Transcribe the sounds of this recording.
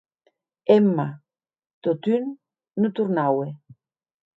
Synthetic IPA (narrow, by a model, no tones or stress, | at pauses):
emːa | t̪ot̪ynː | ut̪uɾnawe